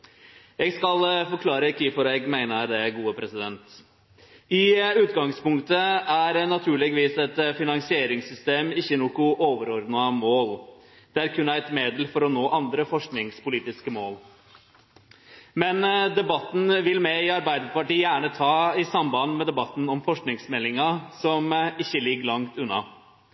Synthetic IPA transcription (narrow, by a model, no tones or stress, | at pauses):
jɛɡskɑlfɔɾkʰlɑːɾəkʰiːfɔɾɛɡmæɪnəɾd̪ɛɡuːəpʰɾɛsɪd̪ɛnt̪ | ɪʉːt̪ɡɑŋspʊŋkt̪əæɾnɑt̪ʰʉːɭɛɡʋiːsɛt̪fɪnɑŋsɪeːɾɪŋsʏst̪eːmɪçːənuːkʊʔoːʋəɾɔɾd̪nɑmoːl | d̪̥ɛæɾkʰʉnæɪt̪meːd̪əlfɔɾɔnoːʔɑnd̪ɾəfɔʂknɪŋspʊliːt̪ɪskəmoːl | mɛnd̪ɛbɑt̪ːn̩ʋɪlmɛɪɑɾbæɪd̪əpɑʈiːjæːɳət̪ʰɑːɪsɑmbɑnmɛd̪ɛbɑt̪n̩ɔmfɔʂknɪŋsmɛlːɪŋɑsɔmɪçːəlɪɡːlɑŋt̪ʉnːɑ̰